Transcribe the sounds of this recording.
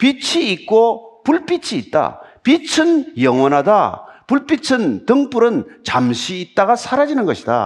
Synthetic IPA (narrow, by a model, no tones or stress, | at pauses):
pit͡ɕʰiːk̚k͈opuɭp͈it͡ɕʰiːt̚t͈a̰pit͡ɕʰɯnjʌŋwʌnɦada̰puɭp͈it͡ɕʰɯntɯŋp͈uɾɯnt͡ɕamɕʰiːt̚t͈aɡasʰaɾad͡ʑinɯnɡʌɕʰida̰